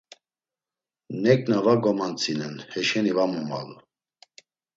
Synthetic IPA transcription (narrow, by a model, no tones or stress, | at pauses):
nɛk̚navaɡɔmant͡sʰʼinɛnhɛʃɛnivamɔma̰lu